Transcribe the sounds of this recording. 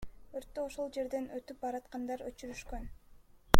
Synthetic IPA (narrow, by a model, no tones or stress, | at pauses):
øɾt̪ːøoʃo̞lˠd͡ʒe̞ɾd̪e̞nøt̪yp̚bɑɾɑt̪qɑnd̪ɑɾøt͡ʃyɾyʃkø̞n